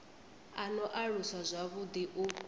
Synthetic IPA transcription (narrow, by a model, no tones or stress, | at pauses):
anɔʔaɺuswazʷaβud̪iʔu